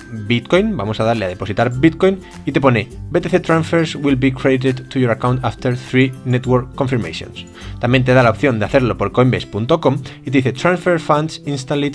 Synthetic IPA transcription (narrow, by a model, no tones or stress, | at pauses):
bit̪̚kojnbamo̞saðaɾleaðe̞po̞sit̪aɾbit̪̚kojn | it̪e̞p̬onebet̪eθet̪ɾãnsfeɾswilbikɾeðt̪ed̪t̪ujoɾakawnt̪aft̪eɾθɾinet̪woɾkːo̞ɱfiɾmḛjsjõ̰ns | t̪ãmje̞nt̪̬e̞ðalaop̚θjo̞nd̪eaθeɾlo̞poɾkojmbespunt̪okõmit̪eiθet̪ɾãnsfeɾfãnd̪sĩnst̪alet̪